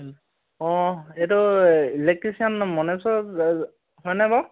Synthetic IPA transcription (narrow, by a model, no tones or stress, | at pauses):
ɔ̃etʊilek̚tɹisiɔnmɔnɛsɔ | hɔjnɛbɔ